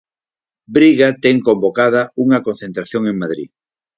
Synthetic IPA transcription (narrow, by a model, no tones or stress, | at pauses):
bɾiɣat̪eŋkombokað̞ɐuŋɐkon̟θent̪ɾaθjoŋeŋmaðɾḭ